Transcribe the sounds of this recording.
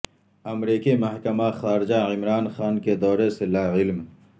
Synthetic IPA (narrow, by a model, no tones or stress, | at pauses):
ɐmɾiːkimɐhkɐmaxaːɾɪd͡ʒaɪmɾaːnxaːnked̪ɔːɾeselaːʕɪlm